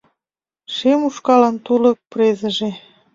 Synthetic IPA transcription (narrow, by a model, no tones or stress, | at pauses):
ʃemuʃkɑlɑnt̪ulɤ̆k̚prezə̆ʒe